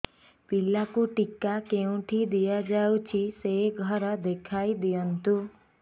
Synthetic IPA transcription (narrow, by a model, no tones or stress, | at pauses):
pilakuʈikakeũʈʰid̪ijad͡ʒawt͡ʃʰiseɡʱɔɾɔd̪ekʰaid̪ijɔnt̪u